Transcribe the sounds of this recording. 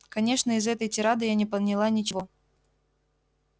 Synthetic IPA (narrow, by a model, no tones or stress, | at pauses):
kɐnʲe̞ʂnəɪzɛt̪əjtʲɪɾad̪ɨjanʲɪpəd̪nʲɪlˠanʲɪt͡ɕɪvo̞